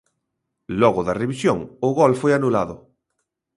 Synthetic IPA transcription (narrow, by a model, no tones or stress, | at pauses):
lɔɣʊðɐreβisjoŋʊɣɔlfojanulaðʊ